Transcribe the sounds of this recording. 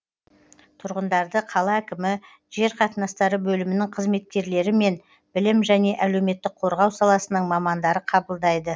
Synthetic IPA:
t̪ʰʊɾʁənd̪ɑɾd̪əqʰɑlˠɑækʲɪmɪ | ʒ̥e̞ɾqʰɑt̪ənɑst̪ɑɾəbɵlɪmɪnɪŋqʰəzme̞t̪̚kʲe̞ɾle̞ɾɪme̞n | b̥ɪlɪmʒæne̞ʔæle̞wme̞t̪ːɪk̚qʰo̞ɾʁɑwsɑlˠɑsənəɴmɑmɑnd̪ɑɾəqʰɑbəlˠd̪ɑjd̪ə

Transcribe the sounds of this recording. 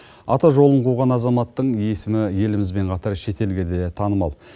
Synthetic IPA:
ɑt̪ɑʒo̞lˠəɴqʰuʁɑnɑzɑmɑt̪ːəɴje̞sɪmɪje̞lɪmɪzbe̞ɴqʰɑt̪ɑɾʃe̞t̪e̞lɡʲe̞d̪e̞t̪ʰɑnəmɑlˠ

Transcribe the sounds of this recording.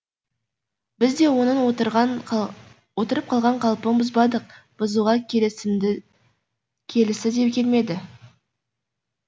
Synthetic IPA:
bɪzd̪e̞wo̞nənot̪ʁ | wo̞t̪əɾəp̚qʰɑlˠʁɑɴqʰɑlˠpəmbʊzbɑd̪əq̚b̥ʊzuʁɑ | kʲʰe̞lɪsɪd̪ep̚kʲʰe̞lme̞d̪ɪ

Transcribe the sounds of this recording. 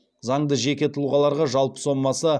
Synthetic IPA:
zɑɴd̪əʒe̞kʲe̞t̪ʰʊlˠuʁɑlˠɑɾʁɑʒɑlˠpə̥so̞mmɑsə

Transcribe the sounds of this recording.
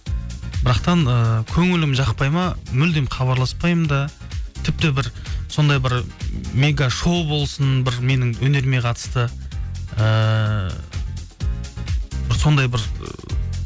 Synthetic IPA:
bɪɾɑqt̪ɑnəkʲʰɵŋɪlɪmʒɑqpɑjmɑmʏld̪emχɑβɑɾlˠɑspɑjəmd̪ɑ | t̪ʰɪp̚t̪ɪbɪɾso̞nd̪ɑjbɪɾme̞ɡaʃo̞bo̞lˠsənbɪɾme̞nɪŋwɵne̞ɾme̞qʰɑt̪ə̥st̪ə | ə | bɪɾso̞nd̪ɑjbɪɾ

